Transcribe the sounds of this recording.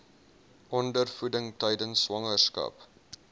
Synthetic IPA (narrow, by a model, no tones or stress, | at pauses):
ʔɔndərfudəŋtɛjdənsːwɐŋərskɐ̰p